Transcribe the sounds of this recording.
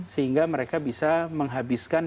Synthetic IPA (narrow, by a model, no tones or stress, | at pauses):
səɦiŋɡaməɾekabisaməŋɦabiskan